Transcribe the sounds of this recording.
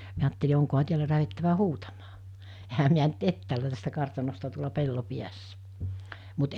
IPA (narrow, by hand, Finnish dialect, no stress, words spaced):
miæ ɑːtːeli oŋkohɑ tiælæ læhetːæʋæ huːtɑmɑː ehæ miæ nyt etːæːlæ tæstæ kɑrtɑnostɑ tuolɑ pelːo piæsːæ̥ mut